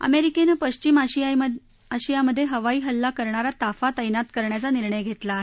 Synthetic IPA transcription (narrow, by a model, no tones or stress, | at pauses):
ə̰meɾikenəpəɕt͡ɕimaɕia | aɕijaməd̪ʱːjeɦəʋaiːɦəlːakəɾɳaɾat̪afat̪əjnat̪kəɾɳjat͡saniɾɳəjɡʱet̪la